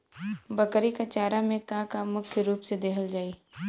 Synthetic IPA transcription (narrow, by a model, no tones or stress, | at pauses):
bɐkɾikat͡ʃaːɾamẽkãkamʊkʰjəɾuːpsed̪ekʰəld͡ʒaːiː